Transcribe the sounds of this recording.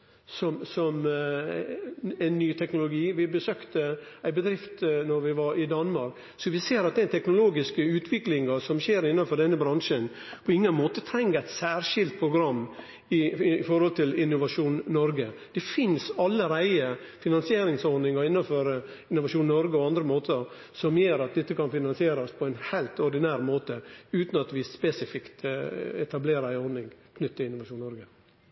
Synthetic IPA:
sɔmsɔm | æɪnːyːt̪ʰɛknʊlʊɡiːʋɪbəsøːkt̪ə | æɪbəd̪ɾɪft̪nɔɾʋɪʋɑɾɪd̪ɑnmɑɾk | sɔʋɪseːɾɑt̪̚d̪ɛæt̪ʰɛknʊloːɡɪskəʉːt̪ʰʋɪklɪŋɑsɔmʃeːɾɪnːɑnfɔɖ̪ɛnːəbɾɑŋʂən | pʰɔɪŋːənmoːt̪ət̪ʰɾɛŋːəɾæɪt̪sæːɾʂɪlt̪̚pʰɾʊɡɾɑmː | ɪfɔɾhɔlt̪ʰɪlɪnːʊʋɑʂuːnnɔɾɡəd̪̥ɛfɪnsɑlːəɾæɪə | fɪnɑnsɪeːɾɪŋsɔɾnɪŋɔɪnːɑnfɔɾə | ɪnʊʋɑʂuːnnɔɾɡəɔɑnd̪ɾəmoːt̪ʰə | sɔmjøːɾɑt̪̚d̪ɛt̪ːəkʰɑnfɪnɑnsɪeːɾɔspʰɔɛnhæɪlt̪ɔɾɖɪnæːɾmoːt̪əʉːt̪n̩ɑt̪ʋɪspɛsɪfɪkt̪ɛt̪ɑbleːɾəæɪɔɾnɪŋkʰnʏt̪ːəɪnʊʋɑʂuːnnɔɾɡə

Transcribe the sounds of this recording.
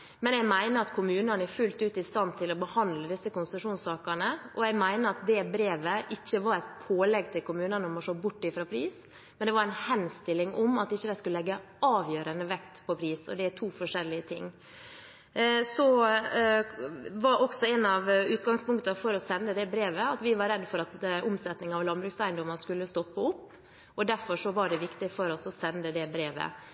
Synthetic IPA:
mɛnjæɡmæɪnəɑt̪kʰʊmʉːnənəæɾfʉlt̪ʉːt̪ɪst̪ɑnt̪ʰɪlɔbəhɑnd̪ləd̪ɪsəkʊnsɑʂuːnsɑːkəɳəʔɔæɪmæɪnəɑt̪̚d̪ɛbɾeːʋəʔɪçːəʋɑɾæt̪pʰoːlɛɡt̪ʰɪlkʊmʉːnənəɔmɔʂoːbʊʈːɪfɾɑːpʰɾiːs | mɛnd̪ɛʋɑɾæɪnhɛnst̪ɪlːɪŋɔmɑt̪ɪçːəd̪æɪskʉləlɛɡːə | ɑːʋjøːɾənd̪əʋɛkt̪pʰɔpʰɾiːsɔ̰d̪ɛæʈʰuːfɔʂɛlːɪət̪ʰɪŋː | sɔ | ʋɑɾʔɔksɔɛnɑʋʉːt̪ɡɑŋspʊŋkt̪əfɔɾɔsɛnːəd̪ɛbɾeːʋəɑt̪ʋɪʋɑɾɾɛd̪ːfɔɾɑt̪ʔʊmsɛt̪nɪŋɑʋlɑnbɾʉːksæɪnd̪ɔmənskʉlːəst̪ɔpːəʊpː | ɔd̪æɾfɔʂɔʋɑɖɛʋɪkt̪ɪfɔɾɔsɔsɛnd̪əd̪ɛbɾeːʋə̰

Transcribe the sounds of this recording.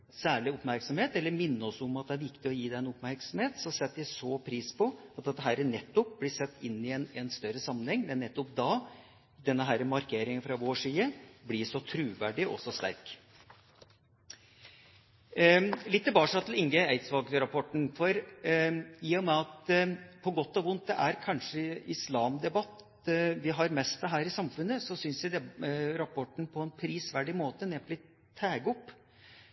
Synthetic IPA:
sæːɭɪʊpmæɾksɔmheːt̪ɛlːəɾmɪnːəɔsʊmɑt̪̚d̪ɛæɾʋɪkt̪ɪɔjiːd̪æɪɛnʊpmæɾksɔmheːt̪sɔsɛt̪ːæsɔpʰɾiːspʰɔɑt̪̚d̪ɛt̪ːəɦæːɾənɛt̪ːʊp̚blɪʂɛt̪ːɪnːɪɛnɛnst̪œɾəsɑmːənhɛŋːmɛnːɛt̪ːʊp̚d̪ɑ | d̪ɛnːəɦæːɾəmɑɾkʰeːɾɪŋənfɾɑʋoːʂiːəblɪʂɔt̪ʰɾʉːʋæːɖɪʔɔ̰sɔst̪æ̰ɾk | lɪt̪ːəbɑːʂɑt̪ʰl̩ɪŋɡəæɪt̪sʋɑlɡɾɑpʰɔʈɳ̩fɔɾ | iːɔmæɑt̪pʰɔɡɔt̪ːɔʋʊnt̪̚d̪ɛʔæɾkʰɑnʂəʔɪslɑːmd̪ɛbɑt̪ | ʋɪɦɑɾmɛst̪̚ɛɦæːɾɪsɑmfʉnːəsɔsʏnsʋæd̪ɛɾɑpʰɔʈɳ̩pʰɔɛnpʰɾiːsʋæɖɪmoːt̪əneːpʰɔlɪt̪ʰːæːɡɔpː

